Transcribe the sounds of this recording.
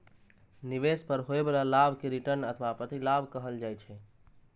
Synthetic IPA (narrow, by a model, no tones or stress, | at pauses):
niʋespəɾɦoebelalabʱkeɾiʈəɾnət̪ʰʋapɾət̪ilabʱkəɦəld͡ʒajt͡ʃʰɛ